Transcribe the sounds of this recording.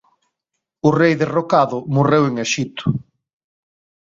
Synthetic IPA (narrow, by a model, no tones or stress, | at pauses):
ʊrejðerokaðʊmoreweŋeʃit̪ʰʊ̥